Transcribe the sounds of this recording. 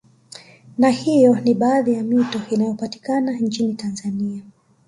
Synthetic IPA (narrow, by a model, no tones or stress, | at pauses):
nahijɔniɓaːðijamitɔinajɔpati̥kanant͡ʃinitanzania